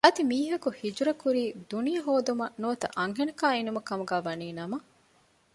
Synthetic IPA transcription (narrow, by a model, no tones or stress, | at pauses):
ɐd̪imiːɦɐkuhid͡ʒuɾɐkuɾiːd̪unijɐɦoːd̪umɐnuʋɐt̪ɐ̰ʔɐŋɦenɐkaːinumɐkɐmuɡæːʋɐniːnɐmɐ